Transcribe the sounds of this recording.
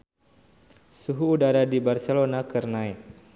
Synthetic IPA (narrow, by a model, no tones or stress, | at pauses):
suɦuːdaɾadibarselonakərnaj